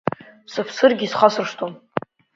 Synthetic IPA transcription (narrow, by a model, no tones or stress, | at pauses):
sɨpʰsɨrɡʲisχasɨrʂtʰom